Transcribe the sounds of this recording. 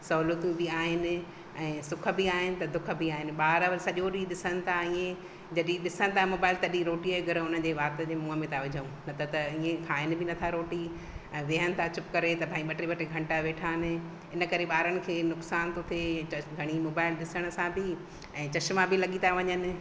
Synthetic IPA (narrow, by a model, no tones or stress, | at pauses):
sɐɦuːlət̪jũbʱiaːɦɪnɪ̆ | ɛ̃ːsʊkʰə̆biaːɦɪnɪ̆t̪ɐd̪ʊkʰə̆biaːɦɪnɪ̆ɓaːɾəʋɐlsɐʄoɗiɗɪsəɽ̃ɪ̆t̪ʰaiːẽ | d͡ʑɐɗĩɗɪsənɪ̆t̪ʰamoːbaːɪlt̪ɐɗĩɾoːʈiəɡʱɐɾʊnəd͡ʑeːʋaːɾt̪əd͡ʑeːmũːɦəmẽt̪ʰaʋɪd͡ʑʱəũnɐt̪ʰat̪ɐiːẽkʰaːɦɪnɪ̆bʱɪnɐt̪ʰaɾoːʈi | ɛ̃ːʋɪɦənɪ̆t̪ʰat͡ɕʊpkɐɾet̪ɐbʱaːĩɓɐʈɾiɓɐʈɾeɡʱɐ̃ɳʈaʋeːʈʰaːnɪ̆ | ɪnə̆kɐɾeɓaːɾənɪ̆kʰeːnʊksaːnt̪ʰot̪ʰeɐɡʱɐɽ̃imoːbaːɪlɗɪsəɽ̃ə̆sãbʱɪ | ɛ̃ːt͡ɕɐʃmãbʱɪlɐɠit̪ʰaʋɐɲənɪ̆